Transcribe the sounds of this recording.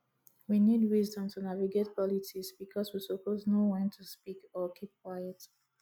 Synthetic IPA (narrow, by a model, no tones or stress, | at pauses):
winidwizdɔ̃mtʰunaviɡet̚pʰɔlitisbikʰɔswisəpʰoznowɛ̃ntʰuspikɔkʰip̚kʰwaɪət